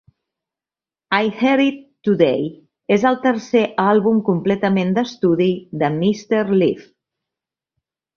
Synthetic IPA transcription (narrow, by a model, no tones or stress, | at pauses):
ajhɛɾit̪ːuðej | ezəlˠt̪əɾseʔalˠβumkumplɛt̪əmend̪əst̪uðiðəmist̪eɾlif